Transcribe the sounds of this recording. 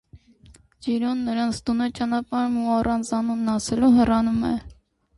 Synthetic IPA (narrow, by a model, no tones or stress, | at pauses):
d͡ʒiɾɔnːəɾɑnt͡sʰt̪unɛt͡ʃɑnɑpɑɾmuɑrɑnt͡sʰɑnunːɑsɛluɦɛrɑnumɛ̰